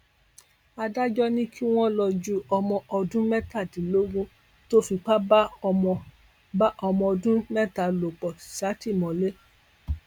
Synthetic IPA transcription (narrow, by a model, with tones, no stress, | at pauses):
a˧da˦d͡ʒɔ˦nĩ˦kʰi˦w̃ɔ̃˦lɔ˧d͡ʒu˦ɔ˧mɔ̃˧ʔɔ˧dũ˦mɛ˦ta˦˨dĩ˨lo˦ɡũ˦ | to˦fi˧k͡pa˦ba˦˧mɔ̃˧ | ba˦ʔɔ˧mɔ̃˧ɔ˧dũ˦mɛ˦ta˨lo˨k͡pɔ˨sa˨˦ti˦˨mɔ̃˨le˦